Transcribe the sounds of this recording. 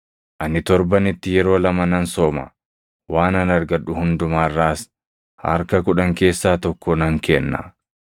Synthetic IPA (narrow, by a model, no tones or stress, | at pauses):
ʔɐnɪt̪ɔɾbɐnɪt̪ːɪjɛɾo̞ːlɐmɐnɐnsoːmɐ̰ | waːnɐnɐɾɡɐᶑʊhʊnd̪ʊmaːrːaːs | hɐ̰ɾkɐkʊᶑɐŋke̞ːsːaːt̪ɔkːɔnɐŋkɛnːɐ̰